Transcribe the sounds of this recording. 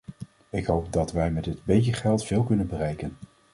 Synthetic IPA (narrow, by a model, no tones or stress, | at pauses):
ɪkɦowp̚dɑtʋɛjmɛtdɪdbejtəχɛlˠtfɪːlˠkɵnənbərɛjkən